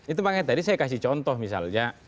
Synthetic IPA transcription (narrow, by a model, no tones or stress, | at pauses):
it̪upaŋɛt̪adisajakasiht͡ʃɔnt̪ɔhmisa̰ld͡ʒa